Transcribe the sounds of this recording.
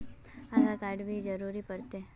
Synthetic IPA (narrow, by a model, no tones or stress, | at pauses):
aɡakaːɾɖbʱid͡ʒəɾuːɾipɐɾt̪e